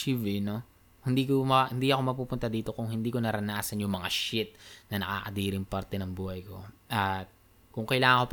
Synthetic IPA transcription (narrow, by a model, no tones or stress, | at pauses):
iːvino | hɪnd̪iːkomɐhɪnd̪iːʔɐko̞mɐpuːpʊnt̪ad̪iːt̪o̞kʊŋhɪnd̪iːko̞nɐɾɐnaːsɐnjʊŋmɐŋaʃɪt̪̚nɐnɐka̰ːkɐd̪iːɾɪŋpɐɾt̪ɛnɐŋbuːhɐjko̞̰ʔɐt̪̚ | kʊŋkɐjlaːŋɐŋkop